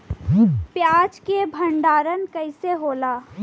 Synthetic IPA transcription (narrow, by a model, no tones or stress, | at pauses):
pjaːd͡ʒkebʱə̃ɳɖaːɾənkəɪseɦoːlaː